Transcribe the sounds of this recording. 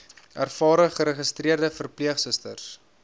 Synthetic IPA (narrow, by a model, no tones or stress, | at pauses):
ærfɑːɾəχəɾəχəstriərdəfərpliəχsəstə̰rs